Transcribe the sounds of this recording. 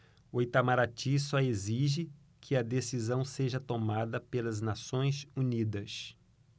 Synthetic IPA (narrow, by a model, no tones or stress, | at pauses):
ʊjt̪amaɾat͡ʃĩsɔeziʒɪ | kʰɪɐd̪esizɐ̃w̃seʒɐt̪omad̪ɐpelɐznasõj̃sunid̪ɐs